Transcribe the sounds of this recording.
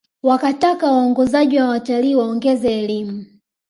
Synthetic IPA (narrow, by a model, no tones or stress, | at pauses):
wakatakawaɔŋɡɔzaʄiwawataliːwaɔŋɡɛzɛːlimu